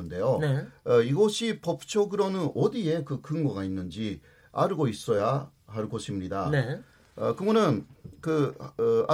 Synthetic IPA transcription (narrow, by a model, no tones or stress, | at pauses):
ɯnde̞joneiɡʌɕʰipʌp̚t͡ɕʰoɡɯɾʌnɯnʌdie̞kɯkɯŋɡʌɡainːɯnd͡ʑi | a̰ɾɯɡois͈ʌja | ɦaɭɡʌɕʰimɲidane | kɯŋɡʌnɯnkɯ | a